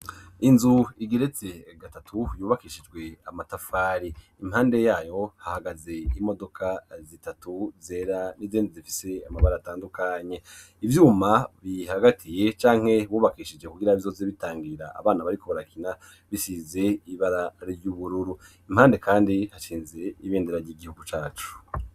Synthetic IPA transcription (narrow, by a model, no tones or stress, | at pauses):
inzuiɡeɾe̞t͡se̞ɡatatʰujuːβakiːʃid͡ʒɡwe̞amatafaːɾi | im̥haːnde̞jaːjo̞hahaɡaze̞imo̞do̞kʰazitatuzeɾanizeːnzizifi̥se̞amaβaɾataːndukʰaɲe̞ | ivjuːmaβihaɡatʰije̞t͡ʃaːŋ̥he̞βuːβakiʃid͡ʒe̞kuɡiɾaβizo̞ːzeβitaːŋɡiɾa̰ʔa̰βaːnaβaɾiko̞βaɾakʰina | βisiːze̞iβaɾaɾɾjuβuɾuɾuim̥haːnde̞kʰaːndihat͡ʃiːnze̞iβeːndeɾaɾjiɡihuɡut͡ʃaːt͡ʃu̥